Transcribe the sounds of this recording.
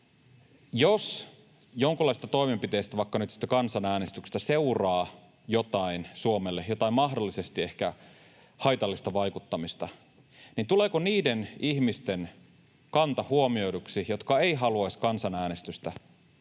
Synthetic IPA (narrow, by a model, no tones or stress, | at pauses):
jos | joŋkulːɑist̪ɑt̪o̞imempit̪e̞ist̪æʋɑikːɑnyt̪si̥t̪ːækɑnsɑnæːnest̪ykst̪æseurɑː | jot̪ɑinsuomelːejot̪ɑimɑɦdolːisest̪ie̞hkæ | hɑjt̪ɑlːist̪ɑʋɑjkut̪ːɑmist̪ɑ | nint̪uleːkoniːdeniçmist̪en | kɑnt̪ɑhuomio̞jduksijot̪kɑe̞iɦɑluɑskɑnsɑnæːnest̪yst̪æ